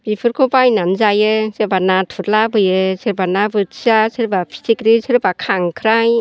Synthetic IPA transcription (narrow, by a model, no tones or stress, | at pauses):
b̥ipʰɯɾkʰɔbajnanzajɯsɯɾbanatʰuɾlabɯjɯsɯɾbanabɯtsasɯɾbapʰi̥sikɾisʰɯɾbakʰaŋkʰɾaj